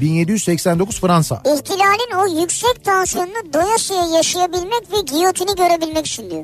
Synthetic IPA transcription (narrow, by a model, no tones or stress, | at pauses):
binje̞d̪ijyzsɛcsænd̪o̞kʰuz̥fɯɾansa̰içt̪ʰilʲaːlʲinojycsɛc̚t̪ʰansijo̞nunad̪o̞jaʃejɛjaʃajabilʲmɛcvɛɟijot̪ʰiniɟø̞ɾe̞bilʲmɛcy̥t͡ʃʰind̪y̰o̰